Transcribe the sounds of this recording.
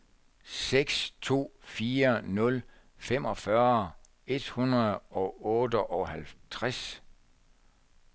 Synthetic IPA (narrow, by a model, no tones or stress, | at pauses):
seɡ̥st͡sʰo̝̰ːfiːɐnɔ̽l | fem̰ɒ̽fɶɐ | e̝d̥hunɐð̩ˠɒ̽ɔ̽ːd̥əʔɒ̽hælt͡sʰʁas